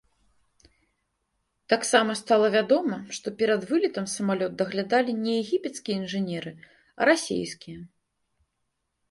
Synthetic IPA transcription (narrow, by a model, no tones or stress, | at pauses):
t̪aksamɐst̪alˠɐvʲad̪ɔmɐʂt̪ɔpʲɛɾɐd̪vɨlʲit̪ɐmsɐmalʲɔd̪̚d̪ɐɣlʲad̪alʲinʲɛjɛɣʲipʲɛt̪skʲijɛinʐɨnʲɛɾɨ | ɐ̰ɾasʲḛjskʲijɐ